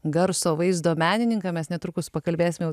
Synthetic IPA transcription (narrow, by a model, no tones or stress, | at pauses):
ɡɐɾsoːʋɐɪzd̪oːmʲæːnʲɪnʲɪŋkɑːmʲɛsnʲɛt̪ɾukʊspɐkɐlʲbʲeːsʲɪmʲjɛ